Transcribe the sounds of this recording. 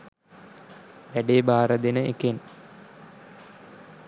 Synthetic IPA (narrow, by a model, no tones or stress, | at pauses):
ʋeɖeːbʱaːɾɐd̪inɨekːen